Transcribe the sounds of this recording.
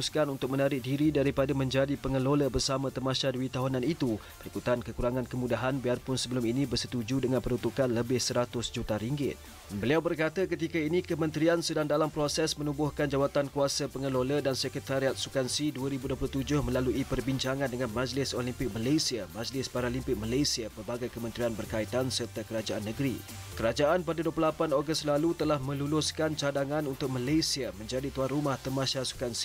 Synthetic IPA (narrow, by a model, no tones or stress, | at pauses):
uskanunt̪ʊk̚mənaɾɪk̚diɾidaɾipadamə̃ɲd͡ʒadipəŋəloləbərsamãt̪əmaʃaduit̪aɦunãnit̪u | bəɾikut̪ankəkuɾaŋãnkəmudaɦanbiarpʊnsəbəlʊminibərsət̪ud͡ʒudəŋãnpəɾunt̪ukanləbɪhsəɾat̪ʊsd͡ʒut̪aɾiŋɡɪ̰t̪̚ | bəliawbərkat̪akət̪ikainikəmə̃nt̪ɾiansədaŋdalampɾosɛsmənubʊhkand͡ʒawat̪ankuasapəŋəlolədansəkət̪aɾiat̪̚sukansiduaɾibuduəp̬luht̪ud͡ʒʊhmə̃laluʔipərbiɲt͡ʃaŋãndəŋãnmad͡ʒlɪsolimpɪk̚malajsiamad͡ʒlɪspaɾalimpɪk̚malajsiapərbaɡajkəmə̃nt̪ɾianbərkait̪ansərt̪akəɾad͡ʒaʔanːəɡɾḭ | kəɾad͡ʒaʔanpadaduəplulapanoɡəst̪̚lalut̪əlahmə̃lulʊskant͡ʃadaŋãnunt̪ʊk̚malajsiamə̃ɲd͡ʒadit̪uanrumaht̪əmãsasu̥kansi̥